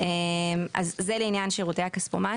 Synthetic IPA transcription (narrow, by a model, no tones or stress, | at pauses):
ema̰zːeleinjanʃeʁoteakaspoma